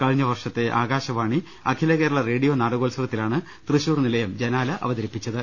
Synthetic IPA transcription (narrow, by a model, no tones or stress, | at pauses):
kɐɻɲːɐʋɐrʂɐt̪ːe̞ʔaːɣaːɕɐʋaːɳi | ɐkʰilɐɣeːɾuɭɐreːɽijo̞ːnaːɽɐɣoːlsɐɣɐt̪ːilaːɳɨ | t̪rɨɕuːrnilɐjɐmd͡ʑenaːlɐʔɐ̰ʋɐd̪ɐɾipːit͡ɕːɐðɨ